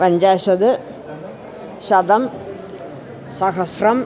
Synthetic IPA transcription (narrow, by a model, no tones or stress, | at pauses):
pɐɲd͡ʑaːʃɐd̪ɨ | ʃɐd̪ɐm | sɐɦɐsrɐm